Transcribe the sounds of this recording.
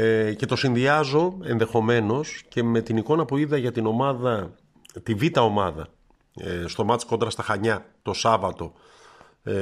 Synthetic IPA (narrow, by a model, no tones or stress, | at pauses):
ce̞t̪o̞sinðiɐzo̞e̞nðe̞xo̞me̞no̞sce̞me̞t̪iniko̞nɐpuiðɐʝɐt̪ino̞mɐðɐ | t̪ivit̪ɐo̞mɐðɐ̰ | st̪o̞mɐt̪isko̞nd̪ɾɐst̪ɐxɐɲɐt̪o̞sɐvɐt̪o̞